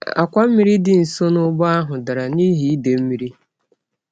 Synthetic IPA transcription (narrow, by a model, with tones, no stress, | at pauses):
a˨kʷa˦m̩˦mi˦ɾi˦dɪ˨n̩˨so˦nʊ˦ɡ͡ba˦a˦ɦʊ˨da˨ɾa˨niː˦ɦi˦i˦de˨m̩˦mi˨ɾi˦